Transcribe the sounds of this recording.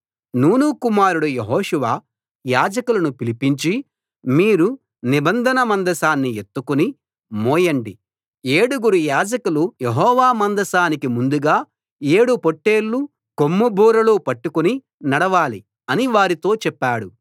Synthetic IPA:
nuːnukumaːɾuɽujeɦɔːʂuʋaː | jaːd͡ʒɐkulɐnupilipiɲt͡ʃi | miːɾu | nibɐnd̪ʱɐnɐmɐnd̪ɐsaːnːiet̪ːukuni | moːjɐɳɖi | eːɽuɡuɾujaːd͡ʒɐkulujeɦɔːʋaːmɐnd̪ɐsaːnikimund̪uɡaː | e̞ːɽupoʈːe̞ːlːu | komːubʱuːɾɐluːpɐʈːukuni | nɐɽɐʋaːli | ɐniʋaːɾit̪o̞ːt͡ʃɛpːaːɽu

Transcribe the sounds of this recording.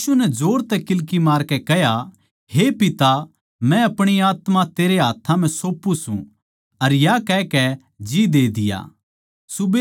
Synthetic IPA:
unɛd͡ʒoːɾt̪ɛkɪlkimaːɾkɛkɛɦja | hepɪt̪a | mɛ̃ɐpɽ̃iaːt̪mat̪eːɾeɦaːt̪ʰːãm̤ɛ̃soːpːũsṵ̃ | ɐɾjakɛːkɛ | d͡ʒid̪eːd̪ɪja̰ː | sʊbe

